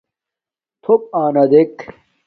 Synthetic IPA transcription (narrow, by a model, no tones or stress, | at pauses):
t̪ʰop̚aːnɐd̪ek